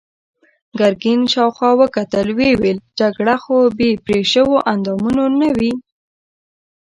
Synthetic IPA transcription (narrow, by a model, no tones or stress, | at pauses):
ɡaɾɡinʃɑwxɑwəkat̪əlweweld͡ʒaɡɽaxobepɾeʃəwoʔand̪ɑmunonawi